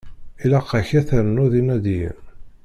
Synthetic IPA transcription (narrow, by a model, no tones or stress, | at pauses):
ilæqːæçæθəɾənʊðinæd̪iɾ